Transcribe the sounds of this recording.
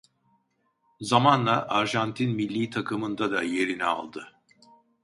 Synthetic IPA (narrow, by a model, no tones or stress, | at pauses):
zamanlˠaʔaɾʒant̪ʰinmilʲːiːt̪ʰakʰɯmɯnd̪ad̪aje̞ɾinɛa̰lˠd̪ɯ